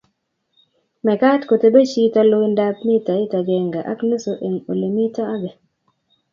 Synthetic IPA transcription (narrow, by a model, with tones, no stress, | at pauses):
mɛ˨ka˦tko˨te˦be˦t͡ʃi˦ta˦lo˦i˦nda˦pni˦ta˨i˦ta˨d͡ʒɛ˨ŋɡa˨ʔa̰˦kne˦so˨ʔe˨ŋo˨li˨mi˦ta˦a˦ɡe˨